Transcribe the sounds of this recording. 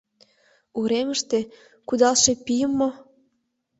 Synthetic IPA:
uɾeməʃt̪e | kud̪ɑlʃepijəmːo

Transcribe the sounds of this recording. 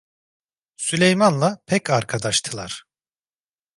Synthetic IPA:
sylʲejmanlˠapʰɛcʰaɾkʰad̪aʃt̪ʰɯlˠaɾ̥

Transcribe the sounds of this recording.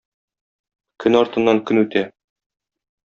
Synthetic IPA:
kʰɵnɒɾt̪ɤ̆nːɑŋkɵnʉt̪æ

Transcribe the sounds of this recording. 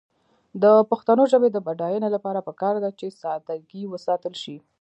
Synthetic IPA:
d̪əpaxt̪anoʒəbed̪əbaɖɑjənolapɑɾapəkɑɾd̪at͡ʃesɑd̪aɡiwəsɑt̪əlʃi

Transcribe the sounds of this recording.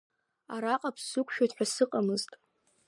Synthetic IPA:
aɾaqʼapʰsɨkʷʰʼʃᶣatħʷᶣasɨqʼamɨztʼ

